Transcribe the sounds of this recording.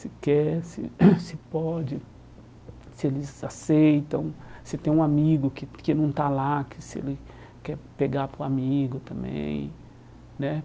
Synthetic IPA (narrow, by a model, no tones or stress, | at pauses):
sɪkɛsɪ̰sɪpɔd͡ʒɪ | sɪelɪzasejt̪ɐ̃w̃sɪt̪ẽj̃ũamiɡʊkɪkɪnɐ̃w̃t̪alakɪ̥sɪḛlɪ | kɛpeɡapɾʊamiɡʊt̪ɐ̃mbḛ̃j̃ | nɛ